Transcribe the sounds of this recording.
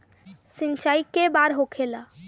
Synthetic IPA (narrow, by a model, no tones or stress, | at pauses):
sɪnt͡ʃaːikːebaɾɦokʰela